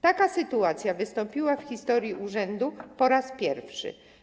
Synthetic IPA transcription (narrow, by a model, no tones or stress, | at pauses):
t̪akasɘt̪uat̪sʲjavɘst̪ɔmpʲiwafxʲist̪ɔɾʲjiʔuʐɛnd̪upɔɾaspʲjɛɾfʂɘ̰